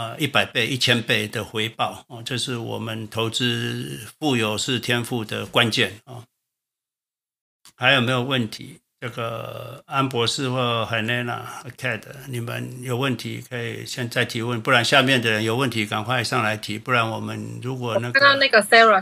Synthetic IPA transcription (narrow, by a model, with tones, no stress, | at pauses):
ə˧i˥˩pa˨˩ɪpe˥˧ɪʔi˥˩t͡ɕʰjɛ˥npe˥˩ɪd̪ə˩xwe˧˥ɪpɑ˥˨˩ʊɔ˥˧ʈ͡ʂjo˥˧ʂɻ̩˥˩wɔ̰˨˩mə˦nt̪ʰo˧˦ʊʈ͡ʂɻ̩˥fu˥˩jo˨˩ʊʂɻ̩˥˨t̪ʰjɛ˥nfu˥˩d̪ə˩kwa˦nt͡ɕjɛ˥˩˨nɔ˥˨ | xa˧˥ɪjme˧˥ɪjo˨˩wə˥˩nt̪ʰḭ˨˦ | ʈ͡ʂə˥˩ɡə˩a˦npwɔ˧˥ʂɹ̩˥˧xwɔ˥˩xa˨˩ɪne˥˧na̰˨˥˩kʰɛ˥˩d̪ə˨˩ni˨˩mə̰˦njo˨˩ʊwə˥˩nt̪ʰi˧˥kʰə˧˥ḭ˨˩ɕjɛ˥˧nt͡sa˥˩ɪt̪ʰi˧˥wə˥˨npu˥˩ɻa˧˦nɕja˥˧mjɛ˥˩˨nd̪ə˨˩ɻə˦njo˨˩ʊwə˥˨nt̪ʰi˧˦ka˨˩nkʰwa˥˧ɪ˧ʂɑ˥˩ŋla˧˥ɪt̪ʰi˧˦pu˥˩ɻa˧˦nwɔ˨˩mə˦nɻu˧˦˥kwɔ˨˩na˥˩˥na˥ɡə˨sɛ˥ə˨